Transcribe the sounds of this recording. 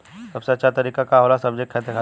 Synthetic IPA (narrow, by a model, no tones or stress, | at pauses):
sɐbseɐtːʃʰat̪ɐɾiːkakaɦoːlasɐbd͡ʒek̚ʈʰɛt̪ekʰaː